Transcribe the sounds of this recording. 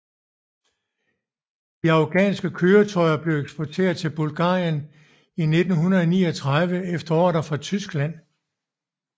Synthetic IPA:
d̥iɑ̈ʊɡ̥ɛ̰ːnsɡ̥əkʰøːɐt͡sʰɒ̽ɪɐb̥le̝ʊeɡ̥sb̥ɒt͡sʰe̝̰ːɐð̞ˠt͡sʰe̝lb̥ulɡ̥ɑ̰̈ːjən | ine̝d̥n̩ɦunðɐɒnḭːɒt͡sʰʁaðˠʋəefd̥ɐɒ̰ːɾ̥ɐfʁɑ̈t͡sʰysɡ̥læn̰

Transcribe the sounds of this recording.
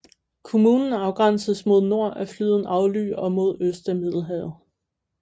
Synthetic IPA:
kʰo̝muːnn̩ɑ̈ʊɡ̥ʁɑ̈n̰səðˠsmo̝ð̞ˠno̝ɐ̰ʔæflyð̞ˠn̩ɑ̈ʊly̰ːɒ̽mo̝ð̞̰ˠøsd̥æmið̰ˠl̩ˠɦɛ

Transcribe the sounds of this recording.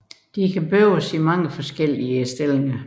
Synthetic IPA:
d̥ikʰæb̥øʊsimɑ̈ŋəfɒ̽sɡ̥el̰iəesd̥el̰eŋɐ

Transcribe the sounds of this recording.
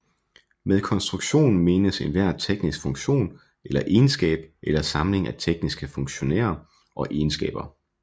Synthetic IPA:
meðˠkʰɒ̽nsd̥ʁuɡ̥ɕo̝̰ːn̩me̝ːnəse̝nʋæɐ̰t͡sʰeɡ̥nisɡ̥fɔ̽ŋɕo̝̰ːn | elɐʔe̝ːnsɡ̥ɛ̰ːb̥ʔelɐsɑ̈mle̝ŋæt͡sʰeɡ̥nisɡ̥əfɔ̽ŋɕo̝næ̰ːɐ | ʔɒ̽ʔeːnsɡ̥ɛ̰ːb̥ɐ

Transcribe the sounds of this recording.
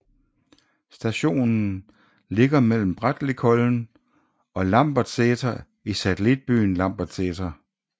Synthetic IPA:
sd̥æɕo̝̰ːnn̩ | le̝ɡ̥ɐmel̰m̩b̥ʁad̥lekʰɔln̩ | ɒ̽lɑ̈m̰b̥ɐ̥seːt͡sʰɐ | isæt͡sʰelid̥̚b̥y̰ːn̩lɑ̈m̰b̥ɐd̥seːt͡sʰɐ

